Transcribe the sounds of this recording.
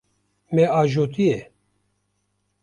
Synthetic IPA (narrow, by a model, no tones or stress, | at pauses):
mɛɑːʒoːt̪ijɛ